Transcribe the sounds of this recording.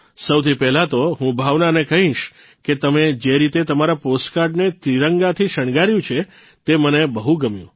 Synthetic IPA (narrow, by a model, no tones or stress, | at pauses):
səwt̪ʰipɛɦlat̪oɦũbʱaʋnanekəɦĩʃ | ket̪əmed͡ʒeɾit̪et̪əmaɾaposʈkaɾɖnet̪ɾiɾəŋɡat̪ʰiʃəɳɡaɾjũt͡ʃʰe | t̪emənebəɦũɡəmjṵ̃